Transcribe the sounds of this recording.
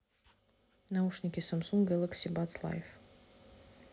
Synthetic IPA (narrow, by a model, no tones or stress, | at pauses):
nauʂnʲɪkʲɪsamsuŋɡɡʲɛlˠəksʲibat̪slˠa̰jf